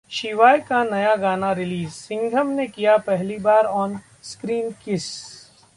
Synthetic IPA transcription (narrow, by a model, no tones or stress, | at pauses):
ʃɪʋaːjkanɐjaɡaːnaɾɪliːzsɪ̃ŋɡʱəmnekijapɛɦlibaːɾɔːn | skɾiːnkɪs